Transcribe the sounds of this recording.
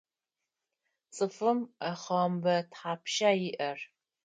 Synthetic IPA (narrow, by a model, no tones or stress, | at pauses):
t͡sʼɨfɨmaχɐmbɐtħaːpʰʃaːjɪʔɐr